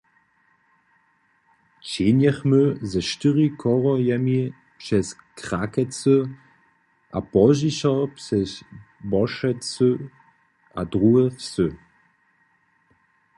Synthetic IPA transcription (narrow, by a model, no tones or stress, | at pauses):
t͡ɕeːnjɛχmøzɛʃtɪʁikʰɔʁɔjɛmi | pʃɛskʁ̥akɛt͡sə | ʔapɔʒiɕɐpsɛsbɔʃɛt͡sø | ʔadʁuːɛfsø